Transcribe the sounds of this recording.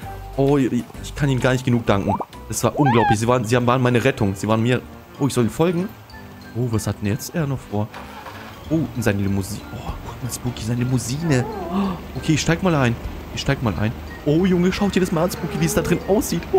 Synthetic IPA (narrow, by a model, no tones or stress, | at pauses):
ʔoɪçkʰaniːnɡaːɐnɪçt̚ɡ̥ənuːk̚d̥aŋkŋ̩ | d̥asv̥aːɐʔʊnɡlaʊplɪçz̥iːvaːʁənzihaːbm̩vaːʁnmaɪnəʁɛtʰʊŋz̥iːvaːʁənmiːɐ | ʔoːɪçz̥ɔliːnfɔlɡŋ̩ | ʔoːvashatd̥ɛnjɛt͡stʔeːɐnɔχfoːɐ | ʔoːʔɪnzaɪnəlɪmuziːʔoːkʰʊtmaːsb̥ukʰizaɪnəlɪmuziːnə | ʔokʰeːɪçʃtaɪɡəmaːlʔaɪn | ʔɪçʃtaɪɡəmaːlʔa̰ɪn | ʔoːjʊŋəʃaʊtd̥iɐdasmaːlansb̥uːkiviːɛsd̥adʁɪnʔaʊsz̥iːtː